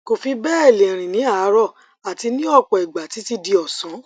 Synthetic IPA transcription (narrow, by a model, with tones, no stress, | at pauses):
ko˨fi˧bɛ˦e˦˨lẽ˨ɾ̃ĩ˨nĩ˨˦a˦˨˦ɾɔ˦˨ | a˨ti˧nĩ˦ɔ˦˨k͡pɔ˨i˨ɡ͡ba˨ti˨˦ti˧di˧ɔ˨sɔ̃˨˦